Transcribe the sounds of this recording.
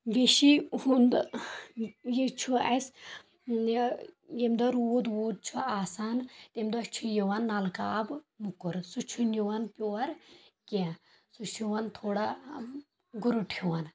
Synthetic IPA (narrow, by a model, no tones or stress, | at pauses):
ʋeʃihund̪ | jet͡ʃʰuɐs | jemd̪ɔɾwoːd̪woːd̪̚t͡ʃʰuaːsaːnt̪emd̪ɔst͡ʃʰujeʋɐnːalkaːb | mukuɾsut͡ʃʰunʲuʋɐnpʲoːɐɾkʲẽ | sut͡ʃʰuʋɐnt̪ʰoːɽa | ɡuɾuʈʰuʋɐn